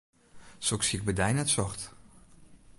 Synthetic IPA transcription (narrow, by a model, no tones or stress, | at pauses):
soksiək̚bədɛjnɛtsɔχt